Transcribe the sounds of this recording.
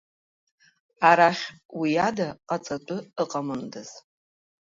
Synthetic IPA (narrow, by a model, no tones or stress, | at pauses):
aɾaχʲʼwijadaqʼat͡sʼatʼʊəqʼamɨndɨz̥